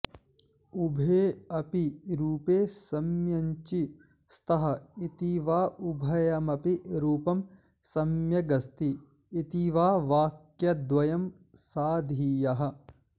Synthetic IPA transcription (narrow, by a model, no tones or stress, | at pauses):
ubʱeːɐpiɾuːpeːsɐmjɐɲt͡ʃi | st̪ɐɦɐ̆it̪iʋaːʔubʱɐjɐmɐpiɾuːpɐm | sɐmjɐɡɐst̪iː | t̪iʋaːʋaːkjɐd̪ʋɐjɐm | saːd̪ʱiːjɐɦɐ̆